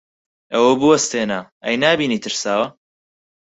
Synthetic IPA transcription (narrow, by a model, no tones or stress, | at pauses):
ɐwɐbɨwɐst̪eːnaː | ɐ̰jnaːbiːniːt̪ʰɨɾsaːwɐ